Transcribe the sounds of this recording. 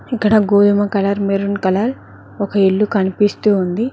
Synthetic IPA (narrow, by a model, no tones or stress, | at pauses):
ikːɐɽɐɡoːd̪umɐkɐlɐɾmeɾunkɐlɐɾ | ɔkɐiɭːukɐnipist̪uːnd̪i